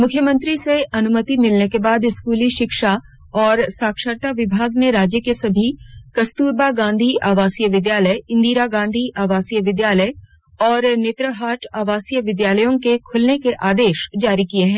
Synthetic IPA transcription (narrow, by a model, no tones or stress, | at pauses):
mʊkʰjəmə̃nt̪ɾiseɐnʊmət̪imɪlnekebaːd̪ɪskuːliʃɪkʃa | ɔːɾsaːkʃəɾt̪aʋɪbʱaːɡneɾaːd͡ʒjəkesɐbʱikɐst̪uːɾbaɡãːnd̪ʱiʔaːʋaːsijəʋɪd̪jaːləjɪ̃nd̪iːɾaɡãːnd̪ʱiʔaːʋaːsijəʋɪd̪jaːləj | ɔːɾnet̪ɾəɦaːʈʰaːʋaːsijəʋɪd̪jaːləjõkekʰʊlnekeʔaːd̪eːʃd͡ʒaːɾikieɦɛ̃ː